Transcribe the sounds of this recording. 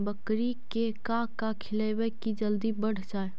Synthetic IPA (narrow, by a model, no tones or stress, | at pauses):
bəkɾikekakakʰɪləjwəkid͡ʒəld̪ibəɽ̤d͡ʒaːe